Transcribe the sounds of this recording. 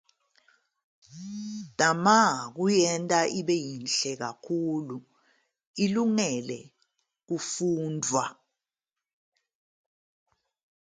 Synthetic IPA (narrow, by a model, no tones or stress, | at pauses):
d̥amak̬ujɛntʼaʔiɓɛjinɬɛɣ̬akʰulu | iluŋɛlɛ | ɣ̬ufuːndʱwa